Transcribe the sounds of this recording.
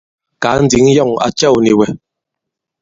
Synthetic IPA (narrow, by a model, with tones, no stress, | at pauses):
ka˨˦n̩˦d͡zi˨˦ŋjɔ˦˨ŋa̰˨t͡ʃɛ˦˨wni˨wɛ˨